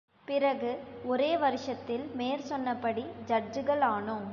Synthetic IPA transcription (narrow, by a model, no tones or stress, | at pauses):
pɪɾɐɣɯɔɾeːʋɐɾɪʂɐt̪ːɪlmeːɾsɔnːɐpːɐɽid͡ʒɐd͡ʒɯɣɐɭaːɳɯm